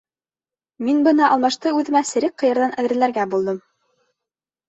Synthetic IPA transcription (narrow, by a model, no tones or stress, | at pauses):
minbɤnɑʔɑlˠmɑʃt̪ɤʉðɘ̆mæsɘ̆ɾɘk̚qːɤ̆jɤ̆ɾðɑnæðɘ̆ɾlæɾɡæbulˠd̪ɤm